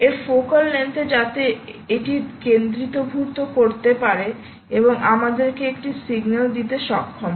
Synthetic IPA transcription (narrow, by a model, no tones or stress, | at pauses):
eɾfokalːent̪ed͡ʑat̪eeʈikend̪ɾit̪obʱuɾt̪okoɾt̪epaɾe | eboŋʔamad̪eɾkeekʈisiɡnald̪it̪eʃɔkʰːom